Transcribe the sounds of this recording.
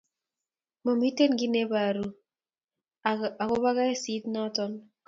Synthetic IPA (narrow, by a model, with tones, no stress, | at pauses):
mo˨mi˦te˦nɡɪ˦ne˦ba˨ɾu˦ | a˨kɔ˦βa˦ɣa˦ɛ˦si˦tnɔ˦tɔ˦n